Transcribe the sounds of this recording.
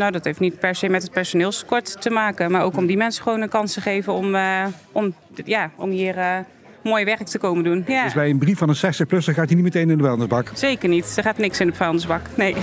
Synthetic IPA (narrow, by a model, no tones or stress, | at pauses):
nowdɑtɦejftnit̚pɛɹsejmɛtɦət̚pɛɹsonɪːlˠsə̥kɔɹtːəmaːkənmaːɹowkɔmdimɛnsə̥χʋownənkɑnstəχejvənɔmʔɔm | jaːɔmɦiːərə | moːjʋɛɹk̚təkowməndunsbɛjənbrifɑnənsɛstəχplɵsəχaːtinitmətejnɪndəfɛlˠndəzbɑkz̥ejkəɹnitd̥əχaːtnɪksɪnəfalˠndəzbɑknej